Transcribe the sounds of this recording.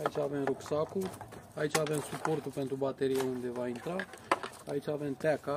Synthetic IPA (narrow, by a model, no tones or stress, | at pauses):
ait͡ʃavɛmɾuksakuait͡ʃavɛnsupoɾt̪upɛnt̪ɾubat̪ɛɾiaund̪ɛvaint̪ɾa | ait͡ʃavɛmt̪ɛka